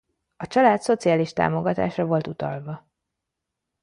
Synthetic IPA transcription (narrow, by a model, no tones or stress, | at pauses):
ɒt͡ʃɒlaːt̪so̞t̪sijaːliʃt̪a̰ːmo̞ɡɒt̪a̰ːʃrɒvo̞lt̪ut̪ɒ̰lvɒ